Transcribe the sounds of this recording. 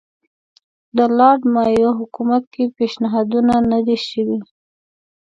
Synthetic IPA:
d̪əlɑɖmɑjoɦʊkumat̪̚kepeʃnɪɦɑd̪unanad̪eʃəwi

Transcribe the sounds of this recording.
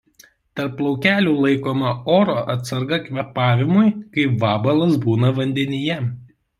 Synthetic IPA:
t̪ɐɾplˠɒʊkʲæːlʲuːlˠɐɪkoːmɐoːɾoːʔɐt̪sɐɾɡɐkʲʋʲɛpɑːʋʲɪmʊɪkɐɪpʋɑːbɐlˠɐsbuːnɐʋɐnʲd̪ʲɛnʲɪjɛ

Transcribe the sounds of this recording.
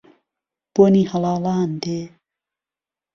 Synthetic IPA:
b̥onihɐlaːlaːnd̪e

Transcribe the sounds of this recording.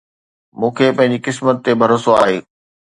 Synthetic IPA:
mũːkʰepɐ̃ɦɪ̃ɲ̆d͡ʑikɪsmət̪ːebʱɐɾoːsoa̰ːɦḛː

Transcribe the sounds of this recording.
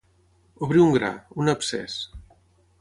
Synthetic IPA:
oβɾiuŋɡɾa̰unəpsɛ̰s

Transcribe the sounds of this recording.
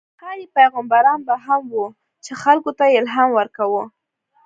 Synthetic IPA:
kɑjipajɣambaɾɑnbaɦamwu | t͡ʃexalkot̪ajɪlɦɑmwəɾkawu

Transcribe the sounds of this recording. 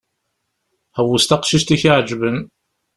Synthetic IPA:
hæwust̪æqʃiʃt̪içiʕd͡ʒvən

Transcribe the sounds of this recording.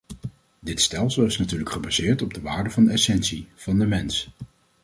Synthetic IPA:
dɪtstɛlˠsəlˠɪsnatyːɹləkχəbaz̥ɪːɹtɔb̚dəʋaːɹdəvɑndəɛsɛnsiv̥ɑndəmɛns

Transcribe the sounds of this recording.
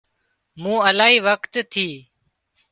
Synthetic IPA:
mũːəlaːiːʋəkt̪t̪ʰiː

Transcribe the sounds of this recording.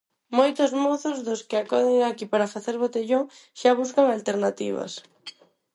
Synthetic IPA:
mojt̪ozmoθozðoskeakoðeŋakipaɾafaθeɾβ̞ot̪eʎoŋʃaβ̞us̬kaŋalt̪eɾnat̪ḭβ̞a̰s

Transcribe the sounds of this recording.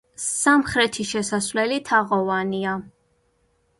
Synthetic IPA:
samχɾɛt̪ʰiʃɛsasvlɛlit̪ʰaʁɔvania

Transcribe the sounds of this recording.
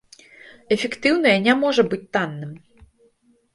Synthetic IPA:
ɛfʲɛkt̪ɨwnɐjɐnʲamɔʐɐbɨt͡sʲt̪anːɨm

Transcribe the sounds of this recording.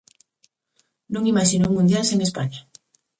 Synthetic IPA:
nũŋimaʃinouŋmũnd̪jalseŋespaɲa

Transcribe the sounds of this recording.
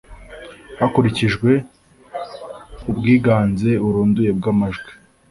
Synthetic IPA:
hakuɾiciʒɡwe̞ | ubɡiːɡaːnze̞uɾuːnduje̞b̚ɡamaʒɡwi

